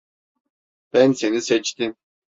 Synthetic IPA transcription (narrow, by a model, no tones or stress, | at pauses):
b̥ænseniset͡ʃt̪im